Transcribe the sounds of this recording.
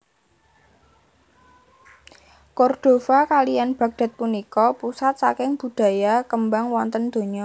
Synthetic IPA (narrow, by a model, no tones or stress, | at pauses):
kɔrd̪̥o̤fakalijanb̥ä̤k̚d̥a̤t̪̚punikɔpusat̪̚sakɪŋb̥ṳd̪̥ä̤jakəmbaŋwɔnt̪ənd̪̥o̤ɲɔ